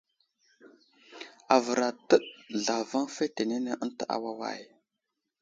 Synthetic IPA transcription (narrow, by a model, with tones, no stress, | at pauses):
a˨və˨ɾa˨tə˦ɗɮa˨va˦ŋfe˦te˨ne˦ne˦ʔə˦ntə˨ʔa̰˦wa˦wa̰˦˨j